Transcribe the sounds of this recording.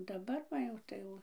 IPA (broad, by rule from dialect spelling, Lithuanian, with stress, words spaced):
dɐˈbɐr ʋɐ ˈjɛʊ tɐɪ ˈjɛʊ